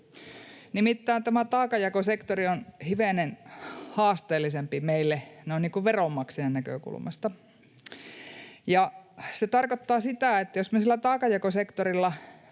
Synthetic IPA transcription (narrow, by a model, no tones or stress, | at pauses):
nimit̪ːæːnt̪æmæt̪ɑːkɑjɑkosekt̪orionhiʋeˑnenhɑːst̪eːlːisempimeilːeneonniːŋkuʋʋeromːɑksiɑnnækø̰kṵlmɑ̰st̪ɑ | jɑset̪ɑrkot̪ːɑːsit̪æˑet̪ːæjosmesilːˑæt̪ɑːkɑjɑkosekt̪orilːɑ